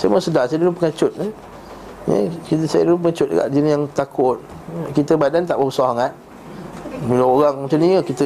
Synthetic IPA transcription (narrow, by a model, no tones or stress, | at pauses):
sajə̰məsədasajədulupəŋat͡ʃʊt̪̚n | j̰kisajə̰dulupəŋat͡ʃʊt̪̚də̰ɡa̰ʔd͡ʒinijaŋt̪akʰʊt̪̚ | kit̪əbadant̪aʔbəusɔhaŋat̪̚ | bilaoɣaŋmət͡ʃaniəkit̪ə